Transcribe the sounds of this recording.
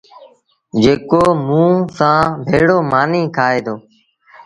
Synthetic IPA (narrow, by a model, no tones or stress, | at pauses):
d͡ʒeːkoːmũːsãːbʱeːɽoːmaːniːkʰaːeːd̪oː